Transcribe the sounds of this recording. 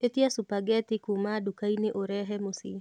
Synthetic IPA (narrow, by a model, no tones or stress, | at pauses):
et̪iasupaɡɛt̪ɪkumadukaineʔoɾɛɦɛmosi